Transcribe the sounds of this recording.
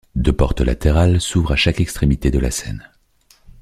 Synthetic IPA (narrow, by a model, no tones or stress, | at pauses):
d̪øpɔʁt̪əla̰t̪eʁalsuvʁaʃakɛkst̪χemit̪ed̪əla̰sɛ̰n